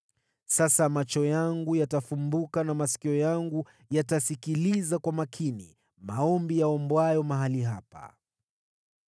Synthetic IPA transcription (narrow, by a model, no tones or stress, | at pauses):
sasamat͡ʃɔjaŋɡujatafumbukanamasi̥kiɔjaŋɡu | jatasikilizakwamakʰinḭ | maɔmbijaɔmbwajɔmaɦaliɦapa̰